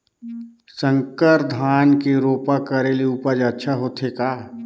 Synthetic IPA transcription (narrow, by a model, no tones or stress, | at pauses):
sə̃ŋkəɾd̪ʱaːnkeɾoːpakəɾeliupəd͡ʒətːʃʰaɦoːt̪ʰɦekaː